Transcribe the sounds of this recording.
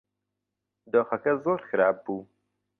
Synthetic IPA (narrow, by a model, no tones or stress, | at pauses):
d̪oːxɐkɐzoːɾxɨɾaːb̚ːuː